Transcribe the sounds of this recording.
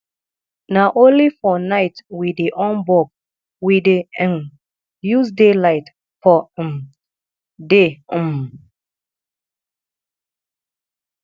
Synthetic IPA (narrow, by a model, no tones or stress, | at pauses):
naʔõnlifɔnaɪtwideʔɔ̃nbɔk | widen | jus̬delaɪt | fɔm | de